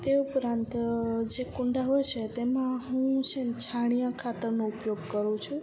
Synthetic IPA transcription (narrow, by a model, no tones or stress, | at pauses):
t̪eupɾãnt̪d͡ʒekũɳɖaɦojt͡ʃʰet̪emãɦũt͡ʃʰent͡ʃʰaɽ̃ijãkʰat̪əɾnoupjoɡkəɾũt͡ʃʰũ